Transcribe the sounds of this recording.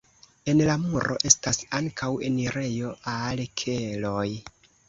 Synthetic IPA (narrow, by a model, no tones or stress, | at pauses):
e̞nlamuɾo̞̰ʔe̞stasaŋkʰawe̞niɾe̞jo̞ʔalkʰe̞lo̞j